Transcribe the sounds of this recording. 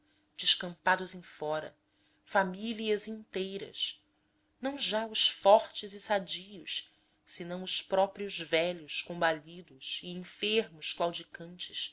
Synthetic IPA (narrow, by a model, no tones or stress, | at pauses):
d͡ʒɪʃkɐ̃mpad̪ʊzẽj̃fɔɾɐ̰ | familiɐzĩnt̪ejɾɐ̰s | nɐ̃w̃ʒaʊʃfɔɾt͡ʃɪzɪsad͡ʒijʊʃ | sɪnɐ̃w̃ʊspɾɔpɾiʊzvɛʎʊʃkõmbaʎid̪ʊʃiẽfeɾmʊʃklawd͡ʒikɐ̃nt͡ʃɪ̥ʃ